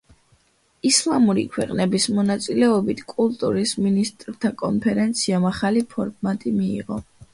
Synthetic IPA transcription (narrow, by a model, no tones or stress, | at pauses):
islˠamuɾḭkʰwɛqʼnɛbismɔnat̪sʼilɛɔbit̪ʰkʼulˠt̪ʼuɾisminist̪ʼɾt̪ʰakʼɔ̰npʰɛɾɛnt̪sʰiamaχalipʰɔɾmat̪ʼimiːʁɔ